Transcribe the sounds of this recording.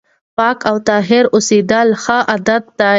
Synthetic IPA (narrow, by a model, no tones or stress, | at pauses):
pɑkawt̪ɑɦɪɾʊsid̪əlxəʔad̪ad̪̚ːa